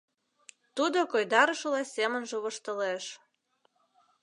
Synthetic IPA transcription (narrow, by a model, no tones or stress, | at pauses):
t̪ud̪okojd̪ɑɾəʃɤ̆lɑsʲemənʒĕβəʃt̪ə̆leʃ